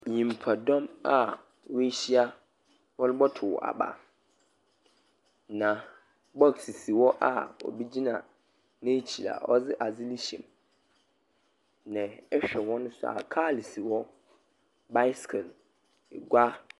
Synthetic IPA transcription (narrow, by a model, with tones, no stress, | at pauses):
ɲĩ˨m˨pʰa˨dɔ̃˦ma˨ | we˦ɕi˦a˦ | wɔ˦lʊ˦bɔ˦tʰʊ̰˨ʔa̰˨ba̰˨ | nã˨ | bɔ˦ksi˨si˨wɔ˦ʔa̰˦˨ɔ̰˨bi˦d͡ʑi˦nã˨ | nẽ˦t͡ɕʰi˨la̰˨ɔ˦zɪ˦ʔa˨d͡zɪ˦li˦ɕḛ̃˨m | nɪ̃˨ɛ˦ɕᶣɛ˨wɔ̃˦nʊ̃˦sʊ˦a̰˨kʰa˦˨li˨si˨wɔ˦ | ba˦skʰɛ˨l | ɡʷa˦